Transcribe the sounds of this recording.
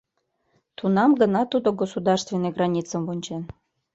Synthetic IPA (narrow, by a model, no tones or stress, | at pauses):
t̪unɑmɡənɑt̪ud̪oɡosud̪ɑrst̪vʲenːeɡrɑnʲit͡sə̆mvunʲt͡ɕen